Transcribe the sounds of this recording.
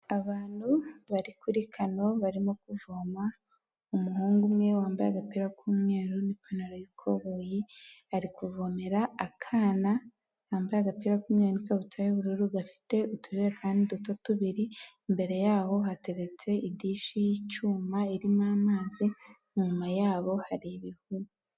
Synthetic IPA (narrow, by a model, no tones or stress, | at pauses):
aβaːn̥huβaɾikuɾikʰano̞βaɾimokuvoːma | umuɦuːŋɡumŋe̞waːmbajaɡapiːɾakumŋe̞ːɾunipʰanaɾojikʰo̰βojihaɾikuvo̞meɾaakʰaːna | haːmbajaɡapiːɾakuːmɲeɾunikaβutʰajuβuɾuɾuɡafi̥te̞utuɾiɾekʰaːndidutotuβiɾimbe̞ɾe̞jaːho̞ɦate̞ɾet͡se̞ʔidiʃijit͡ʃuːmaiɾimaːmaːzi | ɲumajaːβo̞haɾiβihuɾu